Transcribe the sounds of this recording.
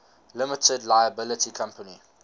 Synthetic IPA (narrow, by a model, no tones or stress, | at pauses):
lɪmətʰədlaɪəbɪlətʰikʰãmpəni